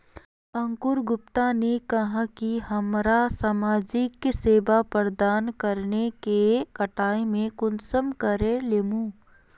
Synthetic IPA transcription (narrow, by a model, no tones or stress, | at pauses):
ɐ̃ŋkʊɾɡʊp̚t̪anekɐɦãkiɦɐmɾasaːmaːd͡ʒɪkːseːbapəɾd̪aːnkɐɾnekekɐʈaːemẽkʊnsəmkɐɾelemuː